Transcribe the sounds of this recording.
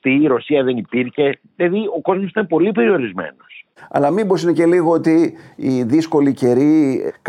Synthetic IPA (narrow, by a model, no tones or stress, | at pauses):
t̪iːɾo̞siɐðe̞nipiɾçe̞ | ilɐðio̞ko̞zmosi̥t̪ɐnpo̞lipe̞ɾio̞ɾizme̞̰no̞sɐ̰lɐmibosinece̞liɣoot̪iː | ðisko̞lice̞ɾik